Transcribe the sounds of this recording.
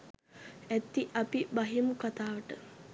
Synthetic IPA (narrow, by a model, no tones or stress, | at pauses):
æt̪ːiʔapibaɦimukat̪aːʋəʈə